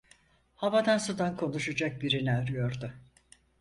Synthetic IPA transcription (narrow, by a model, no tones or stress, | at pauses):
havad̪ansud̪ankʰo̞nuʃad͡ʒak̚biɾinæɾyjo̞ɾd̪ʊ